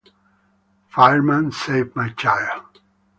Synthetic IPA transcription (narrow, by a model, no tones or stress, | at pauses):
faɪɹmə̃nseɪvmaɪt͡ʃʰajə